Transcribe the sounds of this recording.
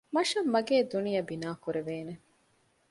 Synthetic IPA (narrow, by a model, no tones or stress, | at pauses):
mɐʃɐmːɐɡeːd̪unijɐbinaːkuɾeʋeːne